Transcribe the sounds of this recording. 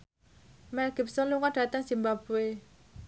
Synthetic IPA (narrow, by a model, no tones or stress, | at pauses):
mɛlɡip̚sɔluŋaɖ̥at̪aŋsimbabue